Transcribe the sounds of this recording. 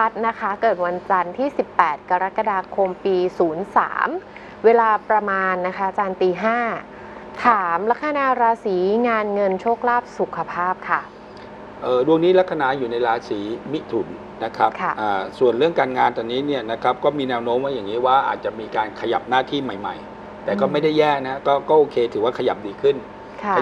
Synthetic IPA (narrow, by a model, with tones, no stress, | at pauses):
a˦˥t̪̚na˦˥kʰa˦˥kɤː˨˩t̪̚wa˧nt͡ɕa˧nt̪ʰiː˥˩si˨˩pːɛː˨˩t̪̚ka˧ɾa˦˥kːa˧daː˧kʰo˧mpiː˧suː˩˦nsa̰ː˩˦m | weː˧laː˧pɾa˧maː˧nːa˦˥kʰa˦˥ʔa˨t͡ɕaː˧nt̪iː˧ɦaː˥˩ | t̪ʰaː˩˦mla˦˥k̚ʰːa˧na˧ɾaː˧siː˩˦ŋaː˧nŋɤ˧nt͡ɕʰoː˥˩k̚laː˥˩p̚su˨˩kʰa˧pʰaː˥˩p̚kʰa˥˩ | ʔɤː˨˩du˥˩əŋniː˦˥la˦˥kʰːa˧na˧˥juː˨˩na˧jɾaː˧siː˩˦mi˦˥t̪ʰu˩˦nːa˦˥kʰɾa˦˥pkʰa˥˩ʔaː˨˩su˨˩ənɾɯ˥˩əŋkaː˧nŋaː˧nt̪ɔː˧˩nːiː˦˥ni˥˩əna˦˥kʰa˦˥p̚kɔː˥˩miː˧nɛː˧˥wnoː˦˥mʔa˥˩ja˨˩ŋːiː˦˥waː˥˩ʔa̰ː˨˩t̪̚t͡ɕa˨˩miː˧kaː˧nkʰa˧ja̰˨˩p̚naː˥˩t̪ʰiː˥˩ma˨˩jma̰˨˩j | t̪ɛː˨˩kɔː˥˩ma˥˩jda˥˩jːɛː˥˩na˦˥kɔː˥˩kɔː˥˩ʔoː˧kʰeː˧t̪ʰɯː˩˦waː˥˩kʰa˧ja˨˩p̚diː˧kʰɯ˥˩n | kʰ